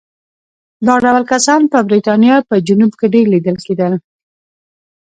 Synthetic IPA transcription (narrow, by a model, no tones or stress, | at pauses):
d̪ɑɖawlkasɑnpəbɾit̪ɑnjɑpəd͡ʒunubkeɖeɾlid̪əlked̪əl